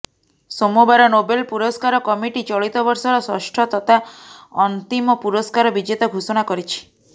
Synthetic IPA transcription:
somubaɾɔnobelpuɾɔskaɾɔkɔmiʈit͡ʃɔɭit̪ɔbɔɾsɔɾɔsɔ̰ʃʈʰɔt̪ɔt̪ʰaɔnt̪imɔpuɾɔskaɾɔbid͡ʒet̪ɔɡʱusɔɽ̃akɔɾit͡ʃʰi̥

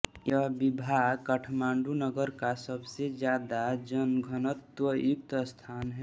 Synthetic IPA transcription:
jəɦbibʱaːɡkəʈʰmãːɳɖunəɡəɾkasəbsed͡ʒjaːd̪ad͡ʒənɡʱənət̪wəjuk̚t̪st̪ʰaːnɦɛ

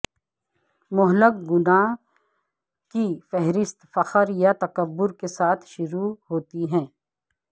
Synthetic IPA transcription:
mʊɦləkɡʊnãː | kifɛɦɾɪst̪fɐqəɾjat̪ɐkəbːʊɾkesaːt̪ʰʃʊɾuɦoːt̪iɦɛ̃ː

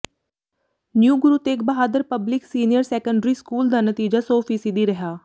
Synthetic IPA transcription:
njuːɡʊɾuːt̪ekbəɦaːd̪əɾpəblɪksiːnijəɾsɛːkəɳɖɾiːskuːld̪aːnət̪iːd͡ʒaːsoːfiːsid̪iːɾəɦaː

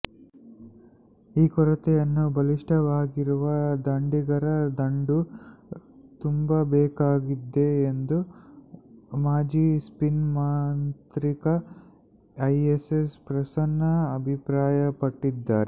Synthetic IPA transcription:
iːkɔɾɐt̪ɛjɐnːubʱɐliʂʈɐʋaːɡiɾuʋɐd̪ɐɳɖiɡɐɾɐd̪ɐɳɖu | t̪umbɐbɛːkaːɡid̪ːe̞ːnd̪u | maːd͡ʒiːspinmaːnt̪ɾikɐ | ɐjesespɾɐsɐnːɐːbʱipɾaːjɐpɐʈːid̪ːaːɾe

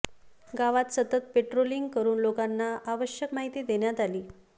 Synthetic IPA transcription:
ɡaʋat̪sət̪ət̪̚peʈɾoliŋɡkəɾuːnlokanːaʔaʋəɕjəkmaɦit̪iːd̪eɳjat̪aliː

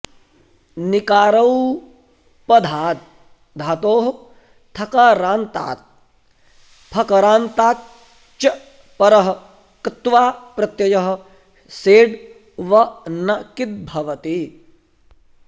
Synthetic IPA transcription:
nikaːɾɐw | pɐd̪ʱaːt̪̚ | d̪ʱaːt̪oːɦ | t̪ʰɐkaɾaːnt̪a̰ːt̪̚ | pʰɐkɐɾaːnt̪aːk | t͡ʃɐ | pɐɾɐɦɐ | kɐt̪ʋaːpɾɐt̪jɐjɐɦɐ̆ | seːɖ | ʋɐnɐkit̪̚bʱɐʋɐt̪i

